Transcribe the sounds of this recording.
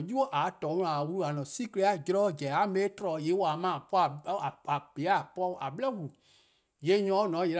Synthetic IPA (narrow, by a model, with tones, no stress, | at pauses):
ju˦o˦ʔa˨˦tɔ̃˨˦wũ˧ã˨wu˧ɾu˦a˨nɔ̃˨si˦ke˧˦a˨˦˨d͡ʒɛ˧ɾɔ˦d͡ʒɛ˨a˨˦me˧˦tɔ˧lɔ˨je˨˦wa˨˦mã˨pɔ˦a˨˦a˨a˨b̥e˨˦a˦˨pɔ˧˦ʔa˨ɓə˦lɛ˦wu˨u˨ | je˦ɲɔ̃ː˨˦nɔ̃˨˦e˨˧˦